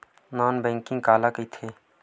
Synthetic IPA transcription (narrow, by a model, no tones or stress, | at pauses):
nɔːnbɛ̃ːŋkɪ̃ŋɡkaːlakəit̪ʰeː